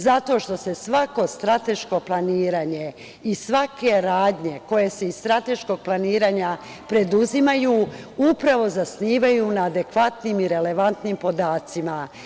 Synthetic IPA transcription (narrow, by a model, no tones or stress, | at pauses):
zat̪o̞ʃt̪o̞se̞sʋako̞st̪ɾat̪e̞ʃko̞plˠaniːɾaːɲe̞ | isʋake̞ɾaːd̪ɲe̞ko̞je̞se̞ist̪ɾat̪e̞ʃko̞ɡ̚plˠaniːɾaːɲa | pɾe̞d̪uzimajuːupɾaʋo̞zasniːʋajunaːd̪e̞kʋat̪niːmiɾe̞le̞ʋant̪nimpo̞d̪aːt̪sima